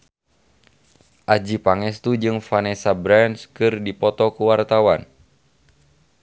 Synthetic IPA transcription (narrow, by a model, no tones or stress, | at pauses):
ʔad͡ʒipaŋɛst̪ud͡ʒɨŋfanɛsabɾanskɨrdipɔt̪ɔkuwart̪awan